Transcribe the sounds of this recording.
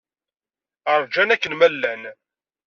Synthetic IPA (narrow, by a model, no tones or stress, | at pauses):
əɾˤd͡ʒænækːənmælːæn